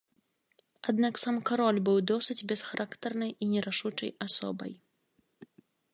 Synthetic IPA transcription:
ad̪naksamkaɾɔlʲbɨwd̪ɔsɨd͡zʲbʲɛsxaɾʔakt̪ɐrnɐjinʲɛɾaʂut͡ʂɐ̰jasɔ̰bɐ̰j

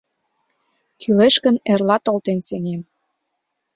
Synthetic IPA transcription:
kʰyleʃkə̆nerlɑt̪olt̪enseŋem

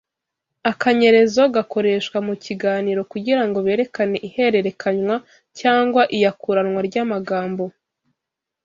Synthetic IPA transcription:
akaɲe̞ɾe̞zoɡako̞ɾe̞ːʃkwamuciɡaːniːɾo̞kuɟiɾaŋɡo̞βe̞ːɾe̞kane̞ʔihe̞ɾe̞ɾekʰaɲwa | caːŋɡwaʔijakuɾanŋwaɾɟaːmaɡaːmbo̞

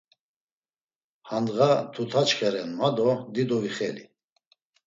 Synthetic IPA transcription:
hand̪ɣat̪ʰut̪ʰat͡ʃχɛɾɛnmad̪ɔd̪id̪ɔviχɛlḭ

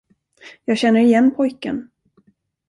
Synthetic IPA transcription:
jɑːɡɕɛnːəɾɪjɛnːpʰɔjkə̰n

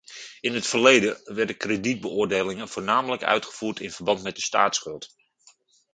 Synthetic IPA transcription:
ɪnɦətfərlejdəʋɛɹdəkredid̚bəʊːɹdejlɪŋənv̥oːrnaːmələkœ̰ɥtχə̥v̥uːrtʰɪnvərbɑntmɛt̚dəsta̰ːtsχɵlˠt

